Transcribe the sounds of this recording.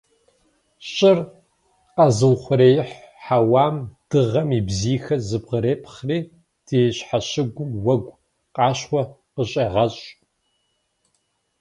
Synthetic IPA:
ɕʼɪr | qɐzɨwχʷʊɾeːjɪħħawaːmd̥ɨʁɐmiːbziːxɐzɨbʁəɾeːpʰχriː | d̥eːɕħaɕɪɡʷʊwɐɡʷ | qʼɑːɕχʷɔ | qəɕʼeːʁɐɕʼ

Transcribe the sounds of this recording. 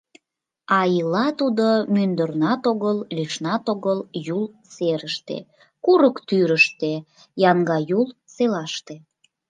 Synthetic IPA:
ɑilɑt̪ud̪omynd̪ərnɑt̪oɣəllyʃnɑt̪oɣəljul | seɾəʃt̪ḛ | kuɾəkt̪yɾəʃt̪e | jɑŋɡɑjul | selɑʃt̪e

